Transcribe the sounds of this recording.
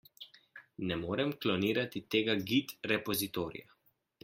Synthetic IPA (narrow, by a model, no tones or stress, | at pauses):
nɛmoːɾɛmklɔniːɾat̪it̪eːɡaɡit̪ɾɛpɔzit̪oːɾḭja̰